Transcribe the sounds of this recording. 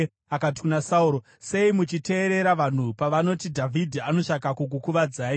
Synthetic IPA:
akat̬i̥kunasauɾo | se̞imut͡ʃite̞ːɾe̞ɾaʋan̤upaʋano̞tidʱavʱidʱiano̞t͡ʃakakuk̬ukuʋad͡zaːi

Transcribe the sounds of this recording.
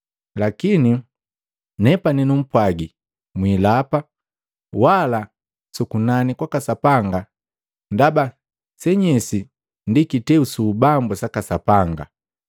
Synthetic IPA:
lakini | nɛpaninum̩pwaɡi | mwilapa | wala | sukunanikwakasapaŋɡa | ndaba | sɛɲɛsi | ndikitɛusuːbambusakasapaŋɡa̰

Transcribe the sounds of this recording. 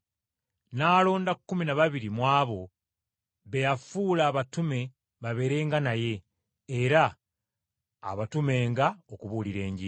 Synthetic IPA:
naːlo̞ːndakːuminaβaβiɾimwaːβo̞ | βejafuːlaːβatume̞ | βaβe̞ɾe̞ːŋɡanaje̞ː | ɾa | βatume̞ːŋɡaokuβuːliɾe̞ːɲɟi

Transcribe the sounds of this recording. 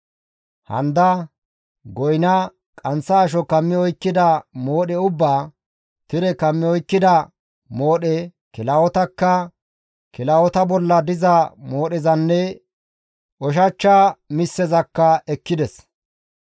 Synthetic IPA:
hɐ̰nd̪ɐ | ɡɔjnɐ | kʼɐnsɐːʃ̬ɔkɐmːɪɔjkːɪd̪ɐmoːɗɛʊbːaː | t̪ɪɾɛkɐmːɪɔjkːɪd̪ɐ | moːɗɛ | kɪlawɔt̪ɐkːɐ | kɪlɐwɔt̪ɐbɔlːɐd̪ɪzɐmoːɗɛzɐnːɛ | ʔɔʃ̬ɐt͡ʃːaːmɪsːɛzɐkːɐɛkːɪd̪ɛs

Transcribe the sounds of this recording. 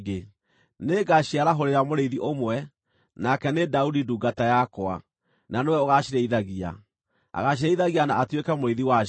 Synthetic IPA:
ɡe | neɡaɕiaɾaɦoɾeɾamoɾeðiʔomwɛ | nakɛnedaudiduːɡatajakɔa̰ | nanewɛoɣaɕiɾɛiðaɣia̰ | a̰ɣaɕ̬iɾɛiðaɣianaʔatwekɛmoɾeðiwa

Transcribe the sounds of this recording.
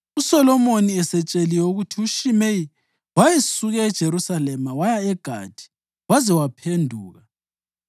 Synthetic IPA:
usɔlɔmoniɛsɛt͡ʃʼeliɛuɣutʰiuʃimei | wajesuɣɛːd̥ʒ̥ʱeɾusalɛmawajaɛɡ̥ʱa̰d̥ʱi̥ | wazɛwapʰendʱuːɣa

